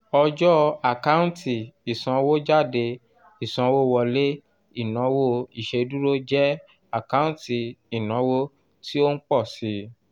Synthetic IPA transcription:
ɔ˧d͡ʒɔ˦a˨ka˦ũ˦tʰi˨i˨sã˧wo˦d͡ʒa˦˨de˧ | i˨sã˨˧wo˦˧wɔ˧le˦ | i˦˨nã˨˦wo˦i˦˨ʃe˧du˦ɾo˦d͡ʒɛ˦ | a˦˨ka˦ũ˦ti˨i˨nã˨˦wo˦ | ti˦o˦n̩˦k͡pɔ˦˨si˨˧˦

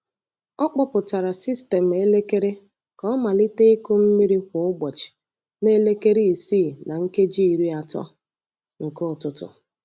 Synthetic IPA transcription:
ɔ˦k͡pɔ˦pʊ˨ta˨ɾa˨si˦ste˨m̩˨e˦le˦ke˦ɾe˦ | kɔ˦ɔ˦ma˨li˦te˦e˦ko˦m̩˦mi˦ɾi˦kʷʊ˨ʊ˦ɡ͡bɔ˨t͡ʃɪ̥˨ | ne˦le˦ke˦ɾi˦i˨siː˦˨na˨ŋ̩˦ke˦d͡ʒi˦i˨ɾi˦a˨tɔ̰˦ | ŋ̩˨ko˦˨tʊ˦tʊ̰˨

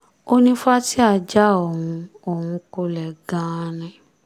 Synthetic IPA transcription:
o˦nĩ˦fa˦ti˦a˧˨d͡ʒa˦o˨wũ˧ | o˨hũ˧ko˧lɛ˨ɡã˧˦˧nɛ̃˨˧

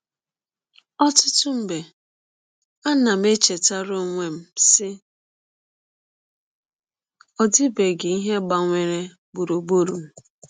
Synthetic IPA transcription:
ɔ˦tʊ˦tʊ˦m̩˨be˨ | a˦na˨m̩˦e˦t͡ʃe˨ta˦ɾo˦˨ŋʷe˦m̩˦sɪ˦ | ɔ˦di˦be˨ɡe˨i˦ɦe˦ɡ͡ba˨ŋʷe˨ɾe˦ | bu˨ɾo˨ɡ͡bo˦ɾu˨m̩˦

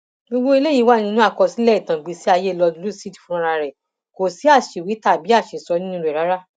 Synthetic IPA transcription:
ɡo˧ɡ͡bo˦i˧le˦ji˨˦wa˦nĩ˧˦nũ˦a˦˨kɔ˧si˨˦lɛ˦˨i˨tã˨ɡ͡bi˧si˦a˧je˦˨lɔ˧du˧lu˦˨si˦˨ti˨fũ˦ɾ̃ã˧ɾa˧ɾɛ˨ | ko˨si˨˦a˦˨ʃe˨wi˨˦ta˦˨bi˨˦a˦˨ʃe˨sɔ˧nĩ˦ĩ˦˨ɛ˨ɾa˨˦ɾa˦

